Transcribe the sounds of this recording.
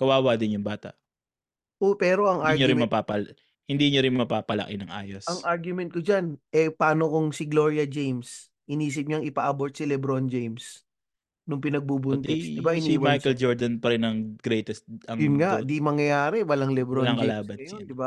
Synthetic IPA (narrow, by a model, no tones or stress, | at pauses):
kɐwaːwad̪ɪnjʊŋbaːt̪a̰ʔ | ʔopɛːɾo̞ʔɐŋʔaɾɲoɾɪmmɐpapɐ | hɪnd̪iɲoɾɪnmɐpaːpɐlɐ̰kɪnɐŋʔa̰ːjosɐŋaɹɡjʊmɛnt̪̚kod͡ʒanʔɛpaːno̞kʊŋsɪɡlo̞ɹjɐd͡ʒejms | ʔɪniːs̬ɪp̚ɲaŋɪpaʔɐbo̞ɹt̪sɪlɛbɾo̞nd͡ʒejms | nʊŋpɪnɐɡ̚bubʊnt̪ɛsd̪ɪbaɪniwɐmajɛld͡ʒoɹd̪ɐnpɐɾɪnɐŋɡ̥ɾɛt̪ɛst̪̚ɐŋjʊnŋaʔʔd̪imɐŋjɐjaːɾɛwɐlaŋlɛbɾoɐŋkɐlaːbɐɐjod̪ɪba